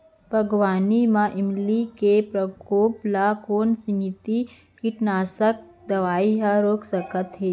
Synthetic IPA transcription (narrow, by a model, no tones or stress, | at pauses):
bʱɐɡwaːnimãʔɪmlikepɾɐkoːplakoːnsimit̪i | kiʈnaːsək̚ | d̪ɐʋaːiɦaɾoːksəkət̪ɦeː